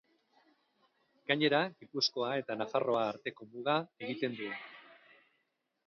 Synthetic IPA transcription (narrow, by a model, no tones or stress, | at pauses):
ɡ̥aɲe̞ɾaɡipusko̞ae̞t̪anafaro̞aːɾt̪e̞ko̞muðae̞ɣit̪e̞nd̪u